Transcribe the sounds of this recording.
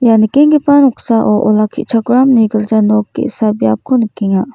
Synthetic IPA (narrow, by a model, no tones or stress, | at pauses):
janikeŋɡipanɔksaʔɔʔɔlakʰḭʔt͡ʃʰaɡɾamniɡəld͡ʒanɔkːḭsabjap̚kʰonikiŋa